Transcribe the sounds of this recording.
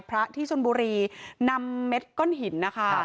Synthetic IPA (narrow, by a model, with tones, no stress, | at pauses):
pʰɾa˦˥ʔt̪ʰiː˥˩t͡ɕʰo˧nbuː˧ɾiː˧na˧mːe˦˥t̪̚kɔ˥˩nɦi˩˦nːa˦˥kʰa˥˩